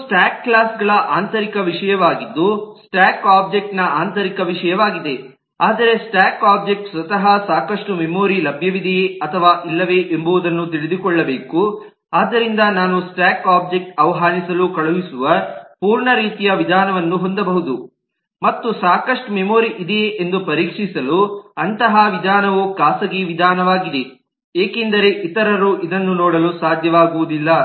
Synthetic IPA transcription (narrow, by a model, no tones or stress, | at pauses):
sʈaːkːlaːsɡɐɭɐʔaːnt̪ɐɾikɐʋiʂɐjɐʋaːɡid̪ːusʈaːkaːb̚d͡ʒek̚ʈnɐaːnt̪ɐɾikɐʋiʂɐjɐʋaːɡid̪e̞ | aːd̪ɐɾe̞sʈaːkaːb̚d͡ʒek̚ʈsʋɐt̪ɐɦɐsaːkɐʂʈumemo̞ːɾilɐbʱjɐʋid̪ʱiɐt̪ʰɐʋaːʔilːɐʋe̞ʔembuʋud̪ɐnːut̪̬iɭid̪ukɔɭːɐbe̞ːku | aːd̪ːɐɾind̪ɐnaːnusʈaːkaːb̚d͡ʒek̚ʈ̚ɐʋɐɦaːnisɐlukɐɭuʋisuʋɐpuːɾɳɐɾiːt̪ijɐʋid̪ʱaːnɐʋɐnːuɦo̞nd̪ɐbɐɦud̪u | mɐt̪ːusaːkɐʂʈumemoːɾiʔid̪eʔend̪upɐɾiːkʂisɐluɐnt̪ɐɦɐʋid̪ʱaːnɐʋukaːsɐɡeʋid̪ʱaːnɐʋaːɡid̪e̞ | eːkend̪ɐɾe̞ʔit̪ɐɾɐɾuʔid̪ɐnːunɔːɽɐlusaːd̪ʱjɐʋaːɡuʋud̪ilːɐ